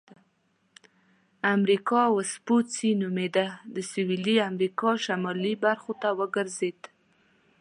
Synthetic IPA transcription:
amɾikɑwəspot͡sinumed̪ad̪əsɪwiliamɾikɑʃamɑlibaɾxot̪awəɡəɾzed̪

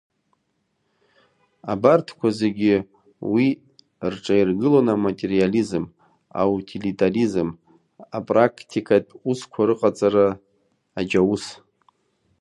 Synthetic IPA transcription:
abartʰkʷʰaze̞ɡʲɪ | wi | rʈ͡ʂʼajirɡɨlonamatʼe̞rializm | a̰utʰilitʼarizm | apʼrakʰtʰikʰʼatʼuskʷʰaɾɨqʼat͡sʼaɾaː | d͡ʒawus

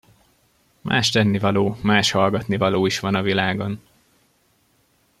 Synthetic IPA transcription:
mʔa̰ːʃt̪ɛnːivɒloːmaːʃhɒlɡɒt̪nivɒloːiʃʋɒnɒvilaːɡo̞n

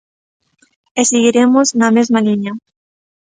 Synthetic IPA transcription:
eseɣiɾemoznɐmezmaliɲɐ

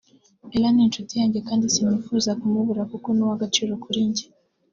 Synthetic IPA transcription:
ilanintutiaɲd͡ʒɛkandisinufuzakumuβuɾakukunuwaɡat͡ʃiɾɔkuɾiɲd͡ʒi

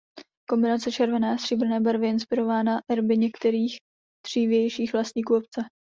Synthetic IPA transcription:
ko̞mbɪnat͡sɛt͡ʃɛɾvɛnɛːsr̥ibɾ̩nɛːbɛɾvɪɪnspɪɾo̞vaːnaʔɛɾbɪɲɛkt̪ɛɾiːx | d̪̥r̝̥iːvjɛjʃiːxvlast̪ɲiːkuːop̚t͡sɛ

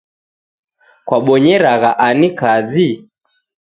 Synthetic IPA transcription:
kwaɓɔɲɛɾaɣaʔanikazi

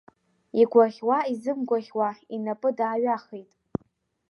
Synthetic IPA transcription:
iɡʷaχʲwaizɨmɡʷaχʲwainapʼɨdaːɥaχejtʼ

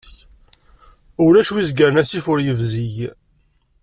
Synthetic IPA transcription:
ʊlæʃwizɡəɾnæsifʊɾjəvziʝ

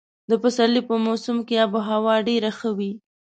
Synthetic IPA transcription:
d̪əfasalipəmasumkeabʊɦawɑɖeɾaxəwi

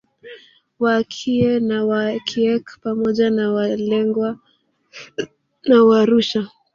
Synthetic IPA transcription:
wakʰiɛnawakʰiɛkpamɔʄanawalɛŋɡwa | nawaɾuʃa

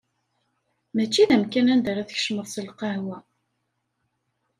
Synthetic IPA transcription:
mæt͡ʃːiðæmkænænd̪æɾˤæðəç̥ʃməðˤsəlqɑhwæ

